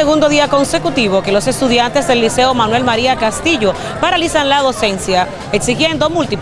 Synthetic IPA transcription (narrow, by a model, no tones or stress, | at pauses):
eɣund̪o̞ðiako̞nse̞kut̪iβ̞o̞ke̞lose̞st̪uðjant̪e̞zðe̞lːise̞omanwe̞lmaɾiakast̪iʝo̞ | paɾalisanlaðo̞se̞nsja | eksixje̞nd̪o̞mult̪ip